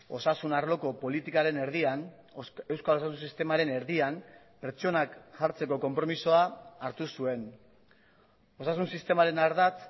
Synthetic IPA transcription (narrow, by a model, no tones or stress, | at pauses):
o̞sasunaɾlo̞ko̞po̞lit̪ikaɾe̞ne̞ɾðian | e̞wskalo̞sasunsist̪e̞maɾe̞ne̞ɾðiam | pe̞ɾt͡so̞nakʝaɾt͡se̞ko̞ko̞mpɾo̞miso̞aːɾt̪usue̞n | o̞sasunsist̪e̞maɾe̞naɾðat͡s